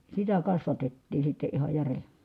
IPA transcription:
sitæ kɑsʋɑtetːiːn̞ sitːe ihɑ jære

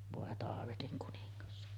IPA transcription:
ʋoˑe tɑːʋetiŋ kuniŋːɑs

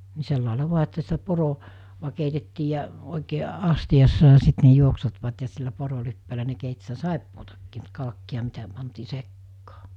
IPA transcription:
ni selːɑˑelɑ ʋuɑ etːæ sitæ poro ʋɑ keitetːiː jɑ oˑikeː ɑstij̆ɑsːɑ jɑ sit ne juoksutʋɑt jɑ silːæ porolipːeːlæ ne keit sitæ sɑˑipːoːtɑkːi̥ː mut kɑlkːiɑ mitæ pɑntiː sekːɑː

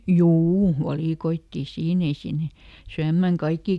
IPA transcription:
juː ʋɑliˑkoitːiˑ siːn ei sinːe syæmːæŋ kɑikːiˑ

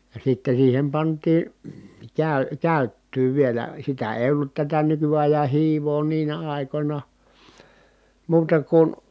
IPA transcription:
jɑ sitːen̞ siːhem pɑntˑiː kæˑy kæˑytːyː ʋielæ sitæ eˑi̯ olːut tætæ nykyɑjɑn̞ hiːʋoː niːnæ ɑˑi̯konʲɑ muːtɑ kun

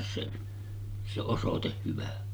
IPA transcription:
se se osoteh hyʋæ

